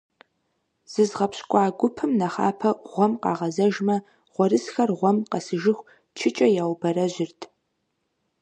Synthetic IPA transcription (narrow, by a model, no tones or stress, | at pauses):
z̥ɨzʁɐpɕkʷʼɑːɡʷʊpʰɨmnɐχa̰ːpʰɐʁʷɔmqɑ̰ːʁɐzɐʒmɐ | ʁʷɔrɨsxɐrʁʷɔmqɐsɨʒɪxʷ | t͡ʃʰɪt͡ʃʼɐjaːwbɐɾɐʑɪrtʰ